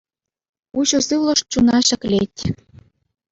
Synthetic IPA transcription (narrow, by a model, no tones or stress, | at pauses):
uɕosɨlə̆ʃt̪̚t͡ɕunɑɕə̆klʲet̪ʲ